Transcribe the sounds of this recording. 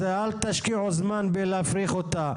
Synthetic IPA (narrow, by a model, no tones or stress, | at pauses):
ealt̪aʃkiʕozmanbelafɾiχot̪a